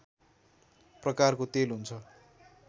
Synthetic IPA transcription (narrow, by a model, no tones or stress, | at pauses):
prʌkarkot̪elɦunt͡sʰʌ